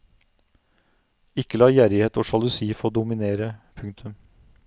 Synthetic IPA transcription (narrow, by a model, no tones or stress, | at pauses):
ɪkːəlɑːjæɾɪheːt̪oːʃɑlʉsiːfooːd̪ʊmɪneːɾəpʰʉŋt̪ʰʉm